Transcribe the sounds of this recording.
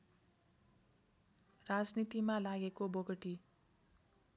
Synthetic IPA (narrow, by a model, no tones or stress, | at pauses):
rad͡znit̪imalaɡekoboɡʌʈi